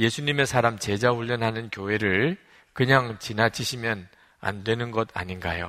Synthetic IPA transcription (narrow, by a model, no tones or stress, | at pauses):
je̞sʰuɲime̞sʰaɾamt͡ɕe̞d͡ʑaɸuʎːʌnɦanɯnkjoɦe̞ɾɯɭ | kɯɲaŋt͡ɕinat͡ɕʰiɕʰimjʌn | a̰ndwe̞nɯnɡʌda̰ɲinɡa̰jo